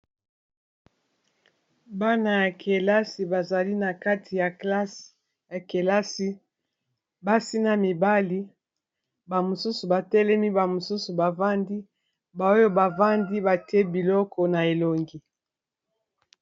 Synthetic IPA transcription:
ba˦na˨ja˨kʰe˨la˦si˨ba˨za˨li˦na˨ka˦tʰi˨ja˨kla˦s | ja˨ke˨la˦si˦ | ba˦si˦na˨mi˨ba˦li˦ | ba˨mo˨su˦su˨ba˨tɛ˦lɛ˦mi˦ba˨mo˨su˦su˨ba˨va˦ndi˦ | ba˨o˦jo˦ba˨va˦ndi˦ba˨tɛ˦bi˨lɔ˦kɔ˨na˨e˨lo˨ŋɡi˨

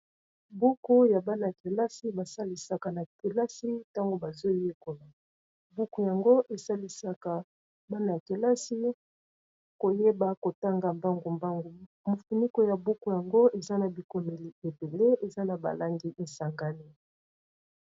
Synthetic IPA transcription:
bu˦ko˦ja˨ba˦na˨a˨ke˨la˦si˦ba˨sa˦li˨sa˨ka˨na˨ke˨la˦si˦ta˦ŋɡo˨ba˨zo˦je˦ko˨la˨ | bu˦ku˨ja˨ŋɡo˦ʔe˨sa˦li˨sa˦ka˨ | ba˦na˨a˨ke˨la˦si˦ | ko˨je˦ba˦ko˨ta˦ŋɡa˨mba˦ŋɡo˨mba˦ŋɡo˨ | mo˨fu˨ni˦ko˨ja˨bu˦ku˨ja˨ŋɡo˦ʔe˨za˦na˨bi˨ko˨me˨li˨e˨be˨le˦ʔe˨za˦na˨ba̰˨la˦ŋɡi˦ʔe˨sa˨ŋɡa˦ni˦

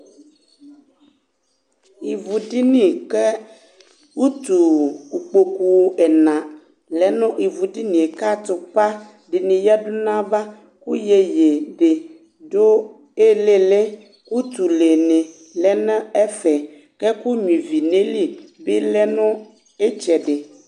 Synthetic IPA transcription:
i˨vu˨di˦nĩ˦ke˦ | wu˦t̪u˨ku˨k͡po˨ku˦˨wo˦ʔɛ˨nã˨ | lɛ˨nɔ̃˦ʔi˨vu˨di˦nĩ˨e˨ka˦t̪o˨pa˦ | ɖi˨nĩ˨ja˦du˦nã˦ba˦ | ku˦je˨je˨ɖe˨ | ɖo˦ | e˦le˦le˦ | ku˦t̪u˨le˨nẽ˨ | lɛ˦nã˦ɛ˦fɛ˨ | kɛ˦ku˦ɲĩ˨vi˨nẽ˦li˦be˦lɛ˦nɔ̃˦ | e˦t͡ʃɛ˨ɖe˨

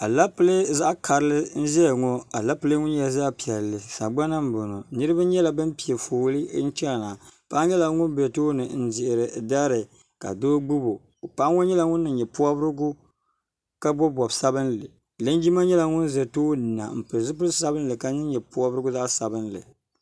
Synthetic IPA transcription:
a˨la˦pɨ˦le˦za˦ʔkʰa˨ɾɨ˦lɨ˦n̩˦zɛ˦jŋɔ˦a˨la˦pɨ˦lɨ˦ŋʊ˦n˦jɛ˨za˦pi˨ɛ˨lːɨ˨sa˨ɡ͡ba˦na˦m̩˦bo˨no˨nɨ˦ɾɨ˦ba˦ɲɛ˦la˨bɨ˦mpi˨ɛ˨foː˨lɨ˦n̩˦t͡ʃɛ˦˨na˨pa˦ɲɛ˦la˨ŋʊ˦n˦bɛ˨to˦nɨ˨n̩˦zɪ˨ʔɪ˨ɾɨ˨da˦ɾɨ˨ | ka̰˨doː˦ɡ͡bu˦bo˨ | pa˦ŋɔ˦ɲɛ˦la˨ŋʊ˦nːɨ˨ɲɛ˨pu˦a˦bɨ˦ɾɨ˦ɡʊ˦ | ka˦bɔ˦bɔ˨bsa˦bɨ˦n˦lɨ˨ | lɨ˦nd͡ʒi˦ma˦ɲɛ˦la˨ŋʊ˦n˦zɛ˨toː˦˨na̰˨m̩˨pɨ˨zɨ˦p̬ɨ˦lsa˦bɨ˦n˦lɨ˨ka˦nɨ˦ɲɛ˨pu˦a˦bɨ˦ɾɨ˦ɡʊ˦za˦ʔsa˨bɨ˦nlɨ̰˨

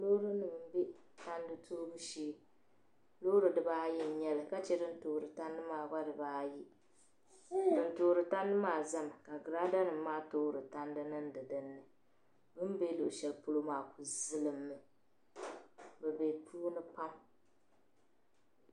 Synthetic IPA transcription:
lo˦ɾɨ˦nɨ˨mɨ˨m̩˦be˦ta˦ndɨ˦tʰoː˦bɨ˦ʃiː˦ | lo˦ɾɨ˨dɨ˨baː˦jɛ˦˨ɲɛ˦lɨ˨ka˦t͡ʃɛ˦dɨ˦n˦toː˨ɾɨ˨ta˦ndɨ˦maː˨ɡa˦dɨ˨baː˦ji˦ | dɨ˨ntoː˨ɾɨ˨ta˦ndɨ˦maː˨za˦m˨ka˨ɡɨ˨ɾaː˦da˦nɨ˨mː˦aː˦toː˦ɾɨ˨ta˦ndɨ˦nɨ˦n˦dɨ˨dɨ˦nːɨ˨ | bɨ˦m˦be˦lo̰˨ʔʃɛ˨lpʊ˦lo˦maː˨ku˨zɨ˦lɨ˨mːɨ˨ | bɛ˨bɛ˨tʰuː˦nɨ˦pa˦m

